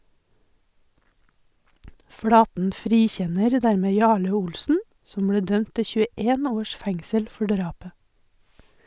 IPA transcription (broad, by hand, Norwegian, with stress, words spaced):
ˈfɽɑːtn̩ ˈfɾiːˌçɛnəɾ ˈdæɾmeː ˈjɑːɭə ˈʊlsn̩ ˈsɔm ˈbɽeː ˈdœmt ˈtɪ çʉəˈeːn ˈoːʃ ˈfɛŋsəl ˈfɔ ˈɖɾɑːpə